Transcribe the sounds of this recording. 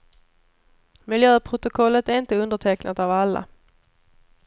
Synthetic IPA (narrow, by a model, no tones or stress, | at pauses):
mɪljøːpʰɾʊt̪ʊkʰɔlːət̪æɾɪnt̪əɵnd̪əʈʰɛknʔat̪avalːa̰